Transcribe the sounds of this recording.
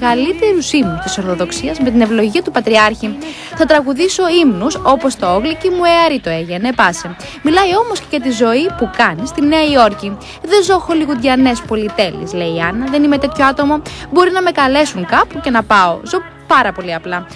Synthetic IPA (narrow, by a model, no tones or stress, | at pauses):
ɣɐlit̪e̞ɾusimnust̪iso̞ɾθo̞ðo̞ksiɐzme̞t̪ine̞vlo̞ʝiɐt̪upɐt̪ɾiɐɾçi | θɐt̪ɾɐɣuðiso̞imnuso̞po̞st̪ooɣlicimueɐɾit̪o̞e̞ʝenepɐse | milɐjo̞mo̞sce̞ʝɐt̪izo̞ipukɐnist̪ineɐio̞ɾci | ðe̞zo̞xo̞liɣud̪ʝɐne̞spo̞lit̪e̞lḭsle̞iɐnɐðe̞nime̞t̪e̞t̪ço̞ɐt̪o̞mobo̞ɾinɐme̞kɐle̞suŋkɐpuce̞nɐpɐo̰zo̞ | pɐɾɐpo̞liɐplɐ